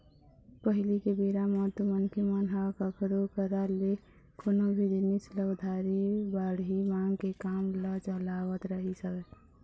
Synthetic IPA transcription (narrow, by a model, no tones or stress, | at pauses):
pəɦɪlikebeːɾamɔt̪umənkʰemənɦakəkʰɾokəɾale | konobʱid̪inisləɡd̪ʱaɾibaːɽɦimãːŋɡkekaːmləd͡ʒəlaːwət̪ɾəɦisə